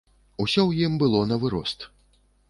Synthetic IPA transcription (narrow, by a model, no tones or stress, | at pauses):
usʲɔwjimbɨlˠɔnɐvɨɾɔst̪